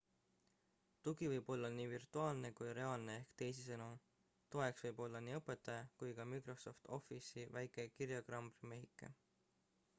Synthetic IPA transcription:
t̪uɡivɤjb̥o̞lːɑniːvirt̪ˑuɑːlne̞kujɾe̞ɑːlne̞ehkt̪e̞js̬isɤnu | t̪o̞e̞ksvɤjbo̞lːɑniːɤpːˑe̞t̪ːˑɑjɑkujkɑmikro̞so̞ft̪o̞fisivæjkˑe̞kiɾjɑɡrɑmbrime̞ɦikːˑḛ

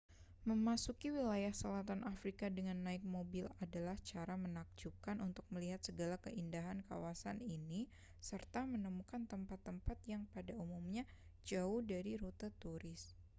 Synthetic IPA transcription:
məmasukiwilajahsəlat̪anʔafɾikadəŋanːaɪk̚mobɪladalaht͡ʃaɾamənak̚d͡ʒup̚kanʔunt̪ʊk̚məliɦat̪̚səɡalakəʔindaɦanka̰wasanini | sərt̪amənəmukant̪əmpat̪ːəmpat̪̚jaŋpadaumumɲa | d͡ʒaʊhdaɾiɾut̪at̪uɾɪs

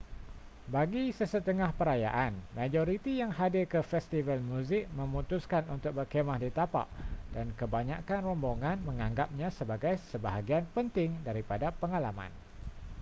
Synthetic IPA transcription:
baɡisəsət̪əŋahpəɾaja̰ʔanmãd͡ʒoɾit̪ijaŋɦadɪrkəfɛst̪ivəlmũzɪk̚mə̃mut̪uskanunt̪ʊk̚bərkemahdit̪apa̰ʔdankəbaɲakanrɔmboŋãnmə̃ŋãŋɡap̚ɲãsəbaɡajsəbaɦaɡianpənt̪ɪŋdaɾipadapəŋalamã̰n

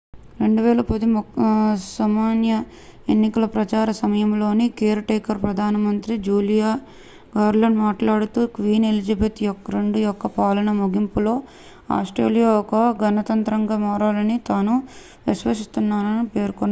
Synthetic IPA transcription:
ɾe̞ɳɖuʋɛːlɐpɐd̪im | sɐmaːnjɐ | enːikɐlɐpɾɐt͡ʃaːɾɐsɐmɐjɐmlo̞ːnikeːɾɐʈɐjkɐɾpɾɐd̪ʱaːnɐmɐnt̪ɾid͡ʒuːlijaː | ɡaːɾlɐɳɖmaːʈlaːɽut̪uːkʋiːnelid͡ʒɐbet̪jɔkːɐɾe̞ɳɖujɔkːɐpaːlɐnɐmoɡimpulo̞ː | a̰ːsʈɾḛːlijaːɔkɐɡɐnɐt̪ɐnt̪ɾɐŋɡaːmaːɾaːlɐnit̪aːnu | ʋisʋɐsist̪unːaːnɐnipe̞ːɾkɔnːa

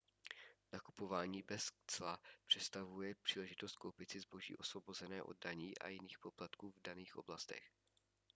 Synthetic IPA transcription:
nakupo̞vaːɲiːbɛst͡sla̰pr̝̥ɛt̪st̪avujɛpr̝̥iːlɛʒɪt̪o̞st̪̚ko̞wpɪt͡sɪzbo̞ʒḭːʔo̞svo̞bo̞zɛnɛːʔo̞̰d̚ːaɲiːʔa̰jɪniːxpo̞plat̪kuːvdaniːxʔo̞̰blast̪ɛ̰x

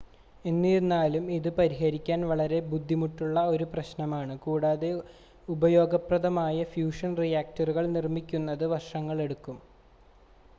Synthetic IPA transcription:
e̞nːiɾunːaːlumiðɨpɐɾiɦɐɾikʲːaːnʋɐɭɐɾe̞bud̪ʱːimuʈːuɭːɐo̞ɾuprɐɕnɐmaːɳɨkuːɽaːðe̞ | ubɐjo̞ːɡɐprɐðɐmaːjɐfjuːʂɐnrijaːk̚tɐruɣɐɭnirmikʲːunːɐðɨʋɐrʂɐŋːɐɭe̞ɽukːum

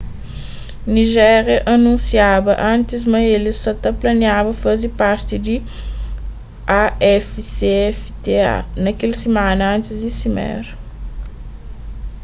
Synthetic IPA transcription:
niʒɛɾjɐʔɐnũnsiabɐʔɐ̃nt̪ɪzmɐjelisɐt̪ɐplɐnjabɐfazipaɾt̪id̪i | aɛfseɛft̪ea̰nɐkelsemãnɐɐ̃nt̪ɪzd̪isimɛ̰ɾ

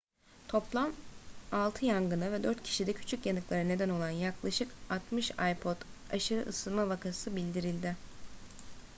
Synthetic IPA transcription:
t̪ʰo̞plˠamalˠt̪ʰɯjaŋɡɯnɯvɛd̪øɾt̪cʰi̥ʃid̪ɛcʰy̥t͡ʃʰycjanɯklˠaɾɯne̞d̪æno̞lˠanjaklˠaʃɯkat̪mɯʃajpʰo̞d̪aʃɯɾɯ̰ʔɯsɯlˠmavakʰasɯbilʲd̪iɾilʲd̪ɪ

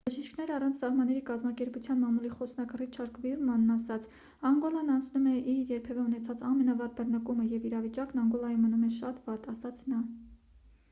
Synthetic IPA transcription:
bəʒiʃkʰnɛɾɑrɑnt͡sʰsɑhmɑnːɛɾikɑzmɑkɛɾput͡sʰjɑnmɑmuliχɔsnɑkrit͡ʃʰɑɾkvirmɑnːɑsɑt͡sʰ | ɑŋɡɔlɑnɑnt͡sʰnumɛʔiɾjɛɾpʰɛvɛunɛt͡sʰɑt͡sɑmɛnɑvɑt̪̚bərnəkuməjɛviɾɑvit͡ʃɑknɑŋɡɔlɑjumːənumɛʃɑt̪vɑt̪ɑsɑt͡sʰnɑ

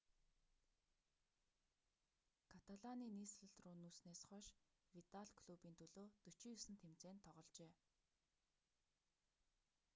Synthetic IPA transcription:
kʰat̪aɮaniːniːsɮə̆ɬt̪ruːnuːsneːsχœʃ | wit̪aɮkʰɮupiːnt̪ʰɵɮoːt̪ɵt͡ɕĭːjɵsɘ̆nt̪ʰemt͡seːnt̪ʰːɔʁɞ̆ɮt͡ɕeː

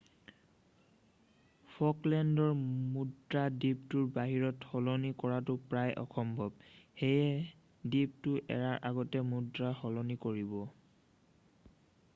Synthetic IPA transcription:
pʰɔklɛndɔɹmudɹadiptʊɹbaɦiɹɔthɔlɔnikɔɹatʊpɹajʔɔ̰xʰɔmbʱɔb̚hejɛ | dip̚tʊʔɛ̰ɹaɹʔaɡɔtɛmudɹahɔlɔnikoɹibɔ

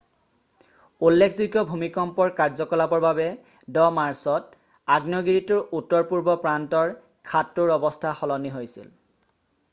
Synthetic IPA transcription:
ulːekʰzuɡɔbʱumikɔmpɔɹkaɹzɔkɔlabɔɹbabɛ | dɔmaɹsɔt | aɡnɔɡiɹitʊɹutːɔɹpuɹbɔpɹantɔɹ | kʰatːʊɹɔbɔstʰaxɔlɔniɦojsḭl

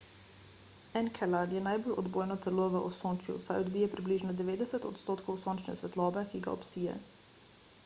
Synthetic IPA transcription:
ɛnkʰɛlad̪jɛnajbolɔd̪boːjnɔt̪ɛloʋəʔɔsoːnt͡ʃjṵsajɔd̪bijɛpɾibliːʒnɔd̪ɛʋeːd̪ɛsɛt̪ɔt̪st̪oːt̪kowsoːnt͡ʃnɛ̰sʋɛt̪lɔːbɛkiɡa̰ɔ̰psiːjɛ̰

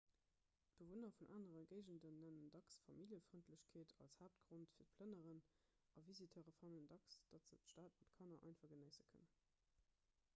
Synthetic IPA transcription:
b̥əvonɐfunʔaːnəʁəɡəɪʑəndənːænəndɑksfɑmiljəfʁəntʰləɕkʰeːtʰɑ̰lshaːp̚tɡ̥ʁontfiːt̚pʰlənəʁən | ɑvizitʰəʁəfɑnəndɑksd̥ɑtz̥ətʃtaːtmɑtkʰɑnɐʔɑ̰ɪnfɑɡənəɪzəkʰə̰n

